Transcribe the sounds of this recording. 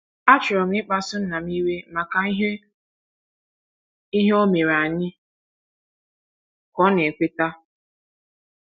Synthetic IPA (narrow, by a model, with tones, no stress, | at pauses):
a˦t͡ʃʊ˨ɾɔ˨m̩˦ɪ˦k͡pa˦sʊ˦n̩˦na˨m˦i˦ɾe˦ma˨ka˨i˦ɦe˦ | i˦ɦe˦o˦me˨ɾa˨ɲɪ˦ | kɔ˨˦ne˨kʷe˦ta˦